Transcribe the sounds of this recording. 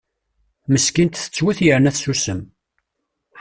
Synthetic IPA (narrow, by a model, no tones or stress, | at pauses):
məskint̪θə̥t͡sːwæθjəɾənæθsusəm